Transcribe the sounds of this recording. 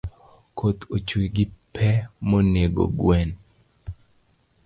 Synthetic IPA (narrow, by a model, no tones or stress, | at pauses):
kʰot̪ʰot͡ʃwiɡɪpʰɛmoneɡo̰ɡwɛn